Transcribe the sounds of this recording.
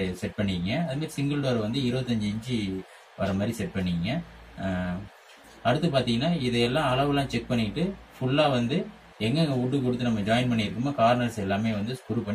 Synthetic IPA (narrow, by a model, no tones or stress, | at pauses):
sɛʈ̚pɐɳːiŋɡɐɐðɯmaːɾisɪŋɡɐlʈoːɾʋɐnd̪ɯɪɾɯʋɐt̪ːɐɲd͡ʒɯɛɲd͡ʒɯ | ʋɐɾɐmaːd̪ɾisɛʈ̚pɐɳːiŋɡɐ | ɐɽɯt̪ːɯpaːɾt̪iːŋɡɐnːaːɪðɛjɛlːãːɐlɐʋɯlãːt͡ʃɛk̚pɐɳːɪɪʈːɯ | fʊɭːaːʋɐnd̪ɯ | ɛŋɡɐŋɡɐʊʈːɯkɔɽɯt̪ːɯnɐmːɐd͡ʒaːɪnpɐɳːɪɪɾɯkːɯmaːkaːɾnɐɾsɛlːaːmeːʋɐnd̪ɯskʊɾupɐɳː